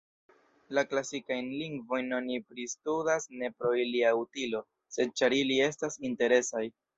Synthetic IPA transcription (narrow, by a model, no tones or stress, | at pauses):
laklasikajnliŋɡvo̞jnːonipɾistudasne̞pɾo̞iliautilo̞ | se̞d̚t͡ʃaɾilie̞stasinte̞ɾe̞saj